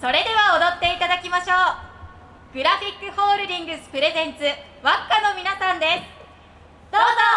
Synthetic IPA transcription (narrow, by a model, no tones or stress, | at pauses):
so̞ɾe̞d̪e̞βaod̪ot̪ːe̞it̪ad̪akʲimaɕo̞ː | ɡ̥ɯ̟ɾaɸʲikːɯ̟ho̞ːɾɯ̟d̪ĩŋɡɯ̟sɨ̥pɯ̟ɾe̞zẽ̞nt͡sɨ | βakːano̞mʲinasãnd̪e̞sɨ̥ | d̪̥o̞ːzo